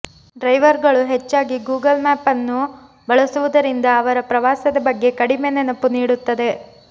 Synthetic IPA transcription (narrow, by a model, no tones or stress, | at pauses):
ɖɾɐjʋɐɾɡɐɭuɦet͡ʃːaːɡiɡuːɡɐlmæːpɐnːu | bɐɭɐsuʋud̪ɐɾind̪ɐːʋɐɾɐpɾɐʋaːsɐd̪ɐbɐɡːe̞kɐɽimeːnɛnɐpuniːɽut̪ːɐd̪e̞